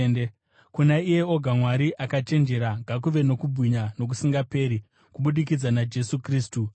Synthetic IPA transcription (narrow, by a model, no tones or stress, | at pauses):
ne | kunaije̞o̞ɡʱamwaɾiʔakat͡ʃe̞nd͡ʒe̞ɾaɡʱak̬uʋe̞no̞kubʱwiɲano̞k̬usiŋɡape̞ːɾi | kuɓuɗik̬id͡zanad͡ʒe̞sukriːstu